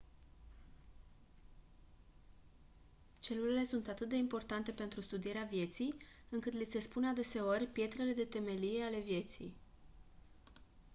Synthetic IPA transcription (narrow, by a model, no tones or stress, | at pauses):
t͡ʃe̞luɾile̞sunt̪at̪ɨt̪̚d̪e̞impo̞rt̪ant̪e̞pe̞nt̪ɾust̪ud̪ije̞ɾeavje̞t̪sijɨŋkɨt̪lise̞spunead̪e̞se̞o̞rʲpje̞t̪ɾe̞le̞d̪e̞t̪e̞me̞lije̞ale̞vje̞t̪sḭj